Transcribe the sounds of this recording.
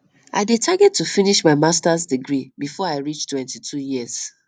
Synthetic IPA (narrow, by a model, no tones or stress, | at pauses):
ʔaɪdetʰaɡɛtʰːufiniʃmaɪmastazdiɡɹibifɔaɪɹit͡ʃtwɛ̃ntitʰujiz̥